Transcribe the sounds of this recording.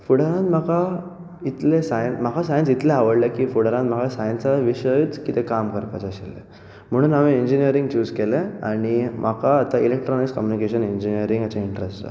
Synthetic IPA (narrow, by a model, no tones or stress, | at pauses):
fuɽəɾãnd̪m̤aka | it̪lesajənm̤akʰasajənsit̪leaʋəɽlekiːfuɽəɾãnd̪m̤akasajənsaʋiɕəit͡skit̪ekamkəɾpat͡ɕəɕilḛ | m̤əɽ̃uːnaʋieɲd͡ʑinijəɾiŋɡt͡ɕuːskelea̰ɽ̃imakaːt̪ailek̚ʈɾɔniskəmjunikeɕəneɲd͡ʑiniəɾiŋɡat͡ɕaiɳʈɾesʈd͡za̰